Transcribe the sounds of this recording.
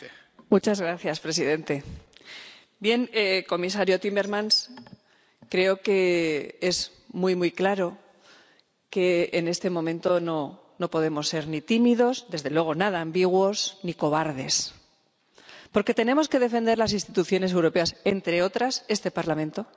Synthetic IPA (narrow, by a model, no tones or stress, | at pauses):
mut͡ʃazɣɾaθjaspɾe̞siðe̞nt̪e̞ | bje̞neko̞mis̬aɾjo̞t̪ime̞ɾmãns | kɾe̞o̞ke̞ez | mujmujklaɾo̞ | ke̞ːne̞st̪e̞mõ̞mẽ̞nt̪o̞no̞ | no̞po̞ð̞e̞mo̞sːe̞ɾnit̪imiðo̞zðe̞zðe̞lwe̞ɣ̞o̞nað̞aːmbiɣ̞wo̞sniko̞β̞aɾðe̞s | po̞ɾke̞t̪e̞nẽ̞mo̞ske̞ðe̞fe̞nd̪e̞ɾlasinst̪it̪uθjo̞ne̞s̬e̞wɾo̞pe̞asent̪ɾe̞o̞t̪ɾase̞st̪e̞paɾlamẽ̞nt̪o̞